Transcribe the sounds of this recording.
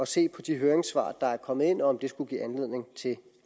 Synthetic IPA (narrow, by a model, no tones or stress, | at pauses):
ɒ̽se̝̰ːpʰɒ̽d̥iɦøːɐeŋsʋɑ̰̈ːd̥ɑ̈æɐkʰɒ̽mð̩ˠe̝n̰ɒːmd̥e̝sɡ̥uɡ̥ḭːænle̝ð̰ˠne̝ŋt͡sʰe̝l